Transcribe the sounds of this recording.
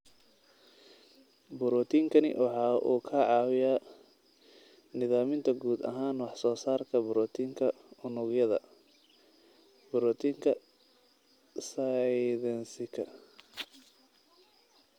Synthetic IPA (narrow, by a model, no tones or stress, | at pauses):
bʊɾɔːt̪ʰiːŋkʰɐnɪ̰wɑħɑːʔṵːkʰaʕɑːwɪja | nɪðaːmɪnt̪ʰɐɡuːd̪ɐ̰ɦaːnwɑħsɔːsaːrkʰɐbʊɾɔt̪ʰiːŋkʰɐ | ʊnʊɡjɐðɐ̰ | bʊɾɔːt̪ʰiːŋkʰɐ | sɐðɛnsɪkʰɐ